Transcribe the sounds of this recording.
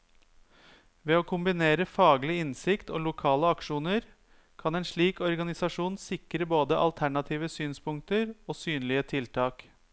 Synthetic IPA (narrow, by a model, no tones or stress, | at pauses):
ʋɛoːkʰʊmbɪneːɾəfɑːɡlɪɪnsɪkt̪ʰo̰ːlʊkʰɑːləɑkʂuːnəɾ | kʰɑnɛɪnʂɭiːkɔɾɡɑnɪsɑʂuːnsɪkɾəboːd̪əʔɑ̰lt̪ʰæɳɑt̪ʰiːʋəsyːnspʊŋk̚t̪əɾoːsyːnlɪət̪ʰɪlt̪ʰɑːk